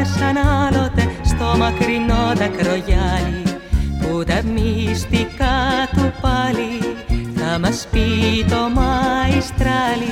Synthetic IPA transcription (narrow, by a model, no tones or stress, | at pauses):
sanalot̪ɛst̪omɑkɾinot̪akɾojalikut̪ɛmist̪ikat̪upalihamaspit̪omaist̪ɾali